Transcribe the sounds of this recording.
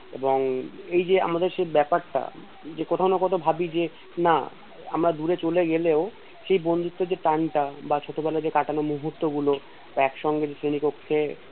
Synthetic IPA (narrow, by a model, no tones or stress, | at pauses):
eboŋejd͡ʑea̰mad̪eɾd͡ʑebɛpaɾʈa̰ | d͡ʑekot̪ʰaonokot̪ʰobʱabid͡ʑe | na̰ | a̰mɾad̪uɾet͡ɕoleɡeleo | ʃejbond̪ʱut̪ːod͡ʑeʈaɳʈabat͡ɕʰot̪obɛlaɾd͡ʑekaʈanomuɦut̪ːoɡulo | ɛkʃɔŋɡed͡ʑetɾenikokʰːe